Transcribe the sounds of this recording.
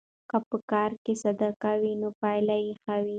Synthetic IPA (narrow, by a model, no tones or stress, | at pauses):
kapəkɑɾkesad̪akawinopajlajixawi